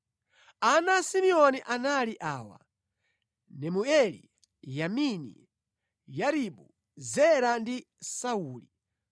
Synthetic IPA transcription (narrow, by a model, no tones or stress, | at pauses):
anasimiɔniʔanaliʔaːwa̰ | nɛmuɛlḭ | jaminḭ | jaɾiɓu | zɛɾandi | sauːli